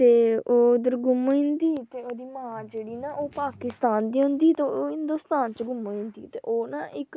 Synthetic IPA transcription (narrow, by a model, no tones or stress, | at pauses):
t̪eːoːɪd̪əɾɡʊmɪ̃nd̪iːt̪eːoːd̪iːmãːd͡ʒeːɽiːnaʔoːpaːkɪst̪aːnd̪iːɦʊ̃nd̪iːt̪eoːɦɪnd̪oːst̪aːnt͡ʃɡʊmːɪ̃nd̪iːt̪eːʔoːnaːʔɪk